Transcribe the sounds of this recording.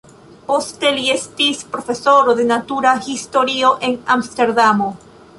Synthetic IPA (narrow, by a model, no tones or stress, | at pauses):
po̞ste̞lie̞stispɾofe̞so̞ɾod̪e̞natuɾahisto̞ɾio̞ʔe̞namste̞ɾdamo̞